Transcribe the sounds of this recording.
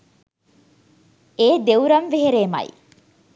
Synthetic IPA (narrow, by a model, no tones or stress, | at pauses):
eːd̪euɾɐnʋeɦeɾeːmɐ̰j